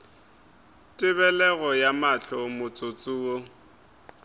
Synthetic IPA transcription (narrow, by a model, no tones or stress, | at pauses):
tʼɪβɛlɛɣɔjamaɬɔmʊt͡sʼot͡sʼuːɔ